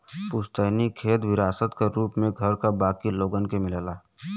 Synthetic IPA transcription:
pʊʃt̪əːnikʰeːt̪ʋɪɾaːsət̪kaɾuːpmẽɡʱəɾkabaːkiloːɡənkemɪleːlaː

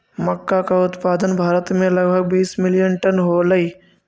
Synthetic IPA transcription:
məkːakaʊt̪paːd̪ənbʱaːɾət̪mẽləɡbʱəɡ̚biːsmɪlijənʈənɦoːləiː

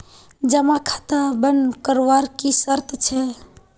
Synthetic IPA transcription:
d͡ʒəmakʰḁt̪əbənkəɾʋaɾkisəɾt̪t͡ʃʰɛ

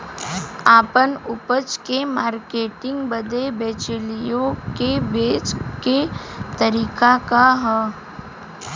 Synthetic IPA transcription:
aːpənʊpət͡ʃkemaːɾkeːʈɪ̃ŋɡbəd̪ebeːt͡ʃəlijõkebeːt͡ʃket̪əɾiːkakaɦə

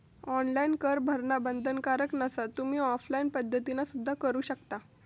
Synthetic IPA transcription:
ɔnlainkəɾbʱəɾnabənd̪ʱənkaɾəknəsat̪um̤iːɔflainpəd̪ʱːət̪inasud̪ʱːakəɾuːɕəkt̪a

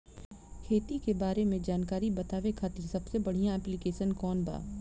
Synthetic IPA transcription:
kʰeːt̪ikebaːɾemẽd͡ʒaːnkaːɾibɐt̪aːʋekʰaːt̪iɾsɐbsebɐɽ̤ijãɛːplɪkeːʃənkɔːnba̰ː

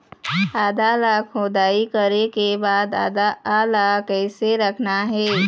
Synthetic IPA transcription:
aːd̪alakʰoːd̪aːikəɾekebaːd̪aːlakɛːseɾəkʰnaɦɛː

